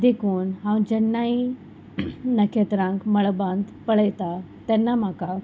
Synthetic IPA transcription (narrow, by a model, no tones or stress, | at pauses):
d̪ekʰuːnɦãwnd͡ʑɛnːai | nəkʰet̪ɾãŋkməɭbãnd̪pəɭəjt̪a | t̪ɛnːam̤aka